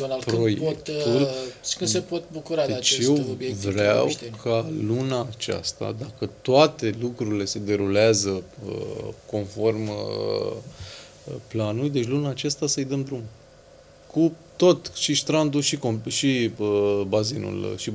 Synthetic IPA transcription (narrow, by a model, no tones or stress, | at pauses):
onalpɾojeokkt̪t̪ulkɨnsepot̪̚bukuɾad̪eat͡ʃeje̞wobjevɾeawt̪kʰalunaːt͡ʃa̰st̪a̰d̪akət̪oat̪e̞lukɾuɾile̞se̞d̪e̞ɾuleazəə̰ko̞nfo̞rm | planuljd̪e̞t͡ʃʲlunaːt͡ʃast̪asəɨjd̪əmd̪ɾum | kut̪o̞t̪ʃiʃt̪ɾand̪ulʃikomʃiəbazinṵlʃi